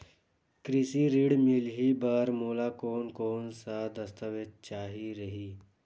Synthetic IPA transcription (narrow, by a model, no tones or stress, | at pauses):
kɾɪsiɾiːɽmɪlɦibaɾmoːlakoːnkoːnsad̪əst̪əʋed̪̚t͡ʃaːɦiɾəɦiː